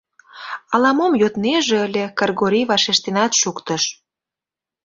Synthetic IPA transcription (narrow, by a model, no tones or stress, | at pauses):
ɑlɑmomjot̪neʒĕəlʲekɑrɣoɾiβɑʃeʃt̪enɑt̪ʃukt̪ə̆ʃ